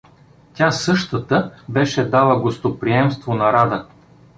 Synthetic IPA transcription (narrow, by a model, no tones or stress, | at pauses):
tʲasɤʃt̪ət̪əbɛʃɛd̪alˠəɡost̪opɾiɛmst̪vonɐɾad̪ə